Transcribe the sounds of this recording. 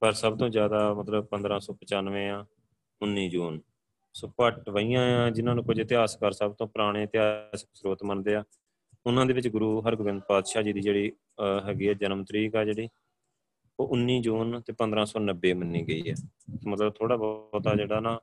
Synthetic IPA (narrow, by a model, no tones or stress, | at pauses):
pəɾsəbt̪õːzjaːd̪aːmət̪ləb̚pə̃nd̪ɾãːsɔːpət͡ʃaːnʋẽːãː | ʊnːiːd͡ʒuːn | soːpəʈʋəiːãːãːd͡ʒɪnãːnũːkʊd͡ʒt̪ɪaːskəɾsəb̚t̪õːpɾaːɽ̃ẽːt̪ɪaːsɪksɾoːt̪mənd̪eːaː | ʊnãːd̪eːʋɪt͡ʃɡʊɾuːɦəɾɡʊʋɪ̃nd̪̚paːd̪ʃaːd͡ʒiːd̪iːd͡ʒeːɽiː | ɦɛːɡiːɛːd͡ʒənmt̪ɾiːkɛːd͡ʒeːɽiː | oːʔʊnːiːd͡ʒuːnt̪eːpənd̪ɾãːsɔːnəbːeːmənːĩːɡəḭːɛːsmət̪ləb̚t̪ʰoːɽaːbɔːt̪aːd͡ʒeːɽaːnãː